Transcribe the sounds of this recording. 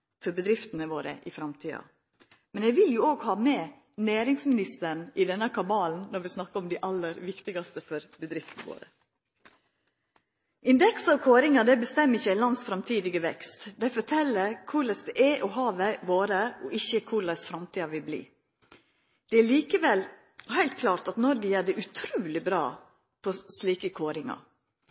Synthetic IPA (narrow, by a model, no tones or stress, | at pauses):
fɔɾbəd̪ɾɪft̪ənəʋoːɾə̰ʔɪfɾɑmt̪ʰiːɑ̰ | mɛnɛʋɪljʊoːɡhɑːmeː | næːɾɪŋsmɪnɪst̪əɳɪd̪ɛnːəkʰɑbɑːln̩nɔɾʋɪsnɑkːəɾɔmd̪iːʔɑlːəɾʋɪkt̪ɪɡɑst̪əfɔɾbəd̪ɾɪft̪ənəʋo̰ːɾə | ʔɪnd̪ɛksəɔkʰoːɾɪŋɑd̪ɛɪbəst̪ɛmːɪçːəæɪlɑnd̪sfɾɑmt̪ʰiːd̪ɪɡəʋɛkst̪d̪æɪfɔʈʰɛlːəɾkʰʊlɛsd̪ɛʔɛʔɔɦɑːʋəʋoːɾəɔʔɪçːəkʰʊləsfɾɑmt̪ʰiːɑʋɪlblḭː | d̪̥ɛæɭiːkəʋɛl | hæɪlt̪̚kʰlɑːɾt̪ɑt̪nɔɾɡəjæːɖɛʔʉt̪ʰɾʉːlɪbɾɑ̰ː | pʰɔsliːkəkʰoːɾɪŋɑ̰